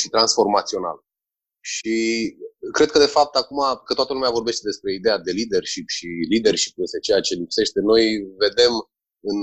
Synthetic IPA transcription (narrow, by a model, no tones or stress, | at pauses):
ʃit̪ɾansfo̞rmat̪sio̞na̰l | ʃi | kɾe̞d̪̚kəd̪e̞fap̚t̪akumakət̪oat̪əlumeavo̞rbe̞ʃt̪e̞d̪e̞spɾe̞id̪e̞jad̪e̞lid̪e̞rʃipʃilid̪e̞rʃi̥p̚je̞st̪e̞t͡ʃe̞jat͡ʃe̞lipse̞ʃt̪e̞no̞jve̞d̪e̞m | ɨn